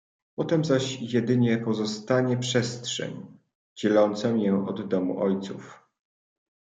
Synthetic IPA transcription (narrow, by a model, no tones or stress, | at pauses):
pɔt̪ɛmzaɕjɛd̪ɘɲɛpɔzɔst̪aɲɛpʂɛst̪ʂɛ̰ɲ | d͡ʑɛlɔnt̪sɛwjɛɔd̪ːɔmṵʔɔjt̪suf